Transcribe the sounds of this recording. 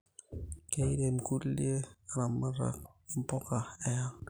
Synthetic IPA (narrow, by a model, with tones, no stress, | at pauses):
ke˦i˦de˨mku˦li˦e˦a˨na˨ma˦ɾa̰˨kɪ˦m˦pɔ˦ka˨ɛ˦ja˦ŋ